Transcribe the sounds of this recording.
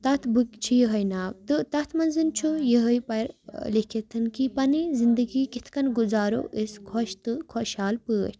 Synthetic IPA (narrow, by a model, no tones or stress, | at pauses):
t̪ɐt̪ʰbɨkt͡ʃʰijəɦɐjnaːwt̪ɨt̪ɐt̪ʰmɐnzɨnt͡ʃʰujəɦəjpɐjɾlikʰet̪ʰɨnkipɐnizind̪əɡiːkit̪ʰkɐnɡuzaːɾo̰ʔiskʰoʃt̪ɨkʰoʃaːlpəːt̪ʰ